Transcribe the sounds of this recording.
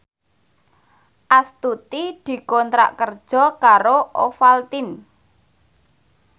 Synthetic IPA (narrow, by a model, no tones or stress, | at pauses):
ʔast̪ut̪id̪̥i̤kɔnt̪ɾa̰ʔkərd̥ʒ̥ɔ̤kaɾoʔofalt̪in